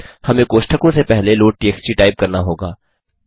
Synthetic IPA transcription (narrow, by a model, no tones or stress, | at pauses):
hɐmẽkoːʃʈʰəkõsepɛɦleloːʈʈieːkst͡ʃiʈaːɪp̚kɐɾnaɦoːɡaː